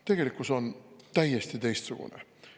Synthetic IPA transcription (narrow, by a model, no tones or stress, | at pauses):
t̪e̞ɡe̞likːˑusont̪æjest̪it̪e̞jst̪suɡ̥ṵnḛ